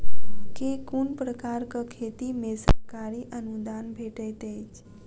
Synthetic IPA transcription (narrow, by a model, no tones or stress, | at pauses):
kekuɳpɾəkaɾkəkʰet̪imesəɾkaɾiʔənud̪anbʱeʈejt̪et͡ʃ